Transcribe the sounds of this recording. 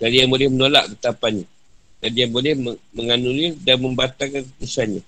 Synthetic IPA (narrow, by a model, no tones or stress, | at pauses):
d̥alijaŋbolɛhmənola̰ʔkət̪apanɲa | dadijaŋbolɛhməməŋanulidanmə̃mbat̪akankəsanɲa